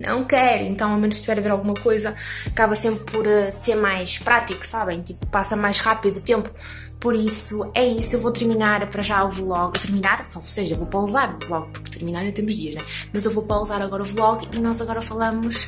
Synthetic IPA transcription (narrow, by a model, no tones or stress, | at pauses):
nɐ̰̃w̃kɛɾuḛ̃nt̪ɐ̃w̃amẽnuʃʃt̪ivɛɾɐveɾalˠɣumɐkojzɐɐkaβɐsẽmpɾpɔɾɛseɾmajʃpɾat̪iku̥saβɐ̃j̃t̪ipupasɐmajʃʁapiðːt̪ẽmpu̥ | pɔɾisuɛisuewvot̪ɨɾminaɾpɐɾɐʒauvlˠɔɣt̪ɨɾminaɾsɔseʒɐewvowpɾɐuzaɾuvlˠɔɣpuɾkt̪ɨɾminaɾẽt̪eɾmuʒðiɐʃnɛmɐzewvopɾɐuzaɾɐɣɔɾɐuvlˠɔɣinɔzɐɣɔɾɐfɐlˠɐmuʃ